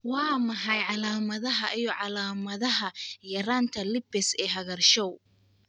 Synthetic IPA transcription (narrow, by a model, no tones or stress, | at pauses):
wɑːmɐɦɑjʕɑlaːmɐðɐɦɐʔijɔʕɑlaːmɐðɐɦɐjɐɾaːnt̪ʰɐlɪbɪsɛːɦɐɣɐrʃɔw